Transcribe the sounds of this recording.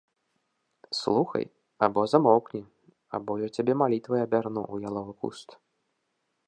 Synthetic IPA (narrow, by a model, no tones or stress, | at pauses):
slˠuxɐ̰j | abɔzamɔwknʲi | a̰bɔjɔt͡sʲabʲɛmalʲit̪vɐjabʲarnuʔujalˠɔvɨkṵst̪